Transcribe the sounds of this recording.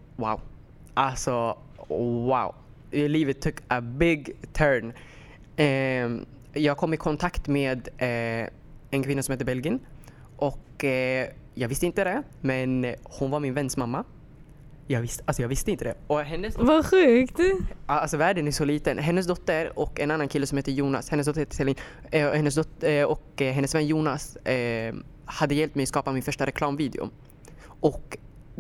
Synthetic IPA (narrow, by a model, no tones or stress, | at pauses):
wa̰ʊ | ʔalsɔ | wa̰ʊ | liːvət̪ʰːʊkəbɪɡt̪ʰœːn | jɑːɡ̚kʰɔmːɪkʰɔnt̪ʰakt̪meːd̪ | ɛnkʰvɪnːasɔmheːt̪ːəbɛlɡɪən | ʔɔk | jɑːɡvɪst̪əɪnt̪əd̪ɛ | mɛnhʊnvaɾmɪnvɛnːsmamːa | jɑːɡvɪst̪alsɔjɑːɡvɪst̪əɪnt̪əd̪ɛɔɦɛnːəsvaɧʉ̟ːkt̪alsɔvæːɖənæʂɔliːt̪ənɦɛnːəs̬d̪ɔt̪ːəɾɔkɛnanːankʰɪlːəsɔmheːt̪əjuːna̰shɛnəs̬d̪ɔt̪ːəɾhɛt̪ə̥sɛlːɪŋ | hɛnːəsd̪ɔt̪ɔkɦɛnːəsvɛnːjuːnas | had̪ːəjɛlp̚t̪mɛjɔskɑːpamɪnfœʂʈaɾɛkʰlɑːmviːd̪ɪ̰ʊ̰ | ʔɔk